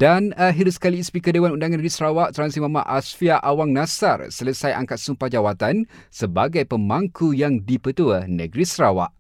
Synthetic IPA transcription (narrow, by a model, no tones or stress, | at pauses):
danəɦiduskaliːspikədewanundaŋanəɡɾisɾawaʔt̪ɾansimãma̰ʔasfiaʔawaŋnãsa̰rsələsajʔa̰ŋkat̪̚sumpad͡ʒawat̪ansəbaɡajpəmbaŋkujaŋdipət̪uənə̰ɡɾisɾawa̰ʔ